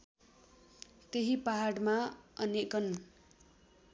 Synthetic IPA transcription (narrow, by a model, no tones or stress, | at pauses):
t̪eɦipaɦaɽmaʌnjekʌn